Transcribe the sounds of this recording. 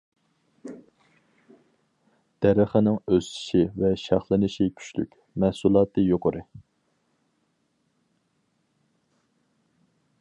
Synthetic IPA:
d̪̥æɾəχənɪŋøst̪ʰɪ̥ʃivɛʃɑχlˠɨnɨʃikʲʰy̥t͡ʃly̰kʲ | mæhsulˠɑːt̪ʰɨjoqʰʊɾɨ

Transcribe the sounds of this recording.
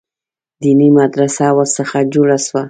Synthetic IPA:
d̪inimad̪ɾasawəɾsəxad͡ʒoɽaswa

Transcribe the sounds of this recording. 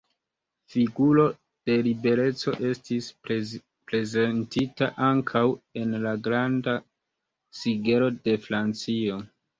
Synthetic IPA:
fiɡulo̞ | d̥e̞libe̞ɾe̞t͡so̞̰ʔe̞stis | pɾe̞zentitaʔaŋkʰawe̞nlaɡɾanda | siɡe̞ɾo̞de̞fɾant͡sio̞

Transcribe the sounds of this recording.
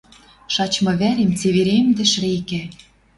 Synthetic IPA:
ʃɑt͡ɕmɤ̆βæɾemt͡seβeɾemd̪ɘ̆ʃɾekæ

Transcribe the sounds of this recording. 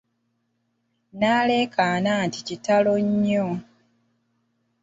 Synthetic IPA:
naːle̞ːkʰaːnaːnticitaloɲːo

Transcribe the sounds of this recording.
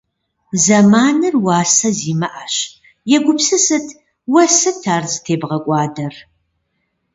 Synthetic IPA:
zɐmaːnɨrwɑːsɐziːmɐʔaɕ | jɛɡʷʊpsɨsɨtʰ | wɐsɨtʰaːrzɨtʰeːbʁɐkʷʼɑːdɐr

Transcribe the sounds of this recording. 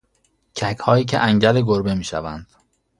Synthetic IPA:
cʰækʰhɒːjiːc̬ʰḛʔæŋɟæleɡoɾbe̞miːʃæ̰vænd̪̥

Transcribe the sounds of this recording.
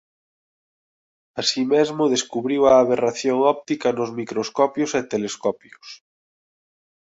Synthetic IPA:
asimezmʊðeskuβɾiwaːβeraθjoŋɔp̚t̪ikɐnozmikɾoskɔpjoset̪eleskɔpjos

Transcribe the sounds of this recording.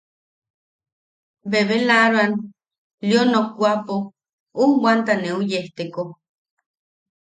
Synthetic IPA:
beβelaɾoan | ljonokːʷapo | uwant̪aneujeht̪eko

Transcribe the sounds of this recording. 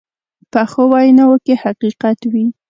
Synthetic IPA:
pəxowajnawəkehaqiqat̪wi

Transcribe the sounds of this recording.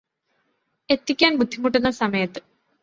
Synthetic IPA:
e̞t̪ːikʲːaːnbud̪ʱːimuʈːunːɐsɐmɐjɐt̪ːɨ̥

